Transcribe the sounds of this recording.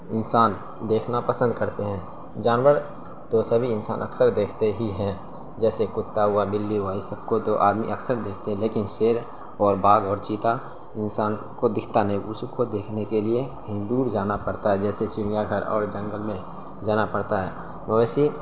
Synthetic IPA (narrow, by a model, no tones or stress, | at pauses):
ɪnsaːn | d̪eːkʰnapəsə̃nd̪kəɾt̪eɦɛ̃ː | d͡ʒaːnwəɾ | t̪osəbʱiɪnsa̰ːnʔə̰ksəɾd̪eːkʰt̪eɦiɦɛ̃ | d͡ʒɛːsekʊt̪ːaɦʊabɪlːiɦʊwaɦisəb̚kot̪oʔa̰ːd̪mḭʔəksəɾd̪eːkʰt̪eɦɛ̃leːkɪnseːɾ | ɔːɾbaːɡɔːɾt͡ʃiːt̪a | ɪnsaːn | kod̪ɪkʰt̪anĩʊskod̪eːkʰnekeliekəɦĩd̪uːɾd͡ʒaːnapəɽt̪aɦɛd͡ʒɛːsesɪɾjaɡʱəɾɔ̰ːɾd͡ʒə̃ŋɡəlmẽ | d͡ʒaːnapɐɽt̪aɦɛ̰ː | məʋɛːsi